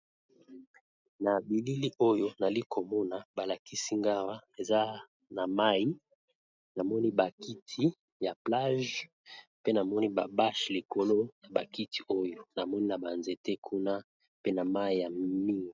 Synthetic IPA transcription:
na˨bi˨li˦li˦ʔo˦jo˨na˨li˦kʰo˨mɔ˦na˨ba˨la˨ki˦si˦ŋɡa˦wa˦e˨za˦ | na˨ma˦i˦ | na˨mɔ˦ni˦ba˨ki˦tʰi˨˦ | ja˨pla˦ʒ | pe˦na˨mɔ˦ni˦ba˨ba˦ʃli˨ko˨lo˦ja˨ba˨ki˦tʰi˨ʔo˦jo˨na˨mɔ˦ni˦na˨ba˨nze˨te˦kʰu˦na˦ | pe˦na˨ma˦i˨ja˨mi˦ŋɡi˨

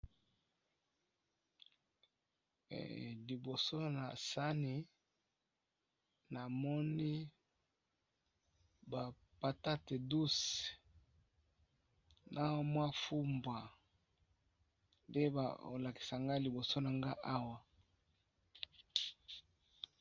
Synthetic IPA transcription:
li˨bo˨so˦na̰˨sa˦ni˨ | na˨mɔ˦ni˦ | ba˨ | pa˨ta˦te˨du˦s | nʔa˦mwa˦fu˦mbwa˨ | nde˦ba̰˨o̰˨la˨ki̥˨sa˨ŋɡa˦li˨bo˨so˦na˨ŋɡa˦ʔa˦wa˨

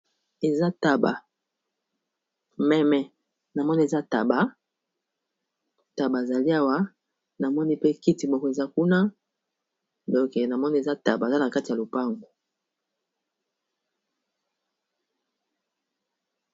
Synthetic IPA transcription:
e˨za˦ta˨ba̰˨ | mɛ˦mɛ˦ | na˨mɔ˦ni˦e˨za˦ta˨ba˨ | ta˨ba˨e˨za˨li˦a˦wa˦ | na˨mɔ˦ni˦pe˦ki˦ti˨mo˨ko˨e˨za˦ku˦na˦ | dɔ˦ke˨na˨mɔ˦ni˦e˨za˦ta˨ba˨za˦na˨ka˦ti˨ja˨lo˨pa˦ŋɡo˨

